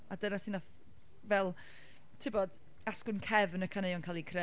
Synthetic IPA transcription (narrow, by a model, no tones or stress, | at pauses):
adənasinaθ | vɛlˠ | tʰɪbɔd̥ | askʊnkʰɛvənəkʰanejɔnkʰalˠikʰre